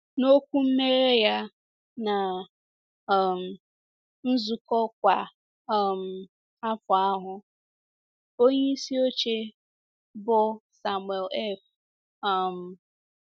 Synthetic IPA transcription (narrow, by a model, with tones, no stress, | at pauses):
no˦kʷu˦m̩˦me˦ɾe˦ja˦ | na˨ | m̩˨ | n̩˦zu˨kɔ˦k̚ʷa˨ | m̩˨ | a˦fʊ˨a˦ɦʊ˦ | o˦ɲe˦i˦si˦o˦t͡ʃe˦ | bʊ˨sa˨mwe˨lɛ˦f | a˦˨m̩˨